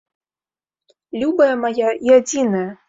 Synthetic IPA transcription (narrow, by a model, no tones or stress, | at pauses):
lʲubɐjɐmajaiad͡zʲinɐjɐ